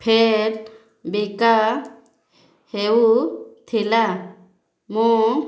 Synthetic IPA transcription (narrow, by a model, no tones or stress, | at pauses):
pʰeɾ | bika | hewut̪ʰila | mũ